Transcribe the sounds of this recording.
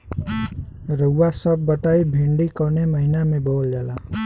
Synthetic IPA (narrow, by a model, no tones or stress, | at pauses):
rʌwwasʌbːʌt̪ajbʱiɳɖikʌnemʌɦinameboljala